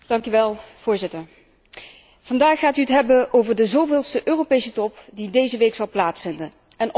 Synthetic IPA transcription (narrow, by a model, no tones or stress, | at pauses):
d̥ɑŋkyʋɛlˠv̥ʊːɹzɪtəɹ | v̥ɑndaːχaːtyətɦɛbənʔowvəɹdəzowvɪːlˠstəʔøːropejsətɔpdidejzəʋejksɑlˠplaːtsfɪndən | ɛn